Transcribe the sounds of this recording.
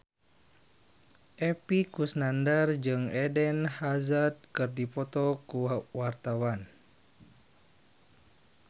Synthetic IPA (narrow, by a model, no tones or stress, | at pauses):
ʔɛpikusnandard͡ʒɨŋɛdɛnhazat̪̚kɨrdipɔt̪ɔkuwart̪awan